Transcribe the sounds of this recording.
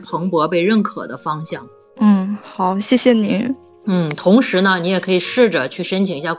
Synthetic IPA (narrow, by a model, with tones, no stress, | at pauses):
pʰɤ˧˥ŋpwɔ˧˥pe˥˧ɪɻə˥˩nkʰɤ̰˨˩d̪ə˦fɑ˥ŋɕjɑ˥˩ŋ | n̩˥˩xɑ˨˩˦ʊɕjɛ˥˩ɕjɛ˨˩ni˧˥ | n̩˥˩t̪ʰʊ˧˥ŋʂɻ̩˧˥nə˧ni˧˥jɛ˨˩kʰɤ˧˥i˨˩ʂɻ̩˥˩ʈ͡ʂə˩t͡ɕʰy˥˩ʂə˥nt͡ɕʰi˨˩ŋi˧˥ɕja˥˩